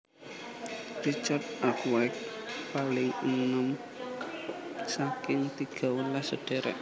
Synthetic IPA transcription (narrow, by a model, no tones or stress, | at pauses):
rit͡ʃart̪̚ʔakwak̚palɪŋənəm | sakɪŋt̪iɡ̥ɔ̤wəlasəɖ̥e̤ɾɛ̰ʔ